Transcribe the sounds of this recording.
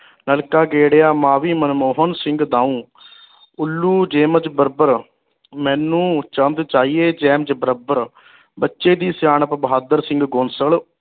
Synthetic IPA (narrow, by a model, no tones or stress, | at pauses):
nəlkaːɡeːɽeːaːmãːʋiːmənmoːɦənsɪ̃ŋɡd̪aːũː | ʊlːuːd͡ʒeːməd͡ʒbəɾbəɾ | mɛ̃ːnũːt͡ʃənd̪t͡ʃaːiːeːd͡ʒɛːmd͡ʒbəɾəbəɾ | bətːʃeːd̪iːsjaːɳəpbəɦaːd̪əɾsɪŋɡɡonsəl